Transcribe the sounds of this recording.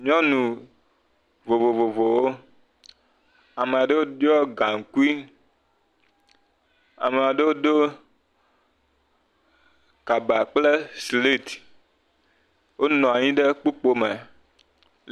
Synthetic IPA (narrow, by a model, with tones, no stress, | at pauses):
ɲɔ̃˦nũ˨ | vo˨vo˨vo˨vo˨wo˦ | a˨me˨a˨ɖe˦wo˦dɔ˦ɡa˨ŋ̩˨ku˦i˦ | a̰˨me˨a˨ɖe˦wo˦ɖo˦ | ka˨ba˨k͡ple˦sli˦t̪ | wo˦nɔ̃˨a˨ɲĩ˦ɖe˦k͡pu˦k͡po˦me˨